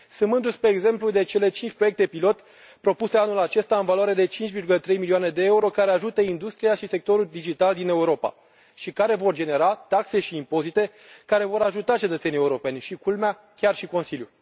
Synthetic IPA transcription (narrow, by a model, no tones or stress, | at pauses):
sɨmɨnd̪uspeːɡze̞mplud̪e̞t͡ʃe̞le̞t͡ʃint͡ʃʲpɾo̞je̞k̚t̪e̞pilo̞t̪ | pɾo̞puse̞anulat͡ʃe̞st̪aɨnvalwaɾe̞d̪e̞t͡ʃint͡ʃʲvirɡulət̪ɾe̞jmilioane̞d̪e̞euɾo̞kaɾe̞aʒut̪əind̪ust̪ɾiaʃise̞k̚t̪o̞ɾuld̪id͡ʒit̪ald̪ine̞uɾo̞pa̰ | ʃikaɾe̞vo̞rd͡ʒe̞ne̞ɾat̪akse̞ʃiːmpo̞zit̪e̞ | kaɾe̞vo̞ɾaʒut̪at͡ʃe̞t̪ət̪senije̞uɾo̞pe̞nʲʃikulmea | kʲarʃiko̞nsilju